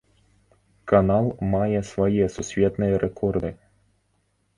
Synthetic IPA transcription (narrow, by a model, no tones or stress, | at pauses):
kanalˠmajɛsvɐjɛsusʲvʲɛt̪nɨjɛɾʔɛkɔrd̪ɨ